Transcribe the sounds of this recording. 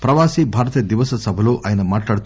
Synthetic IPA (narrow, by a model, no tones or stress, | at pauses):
pɾɐʋaːsibʱaːɾɐt̪iːjɐd̪iʋɐsɐsɐbʱɐluʔaːjɐnɐmaːʈlaːɽut̪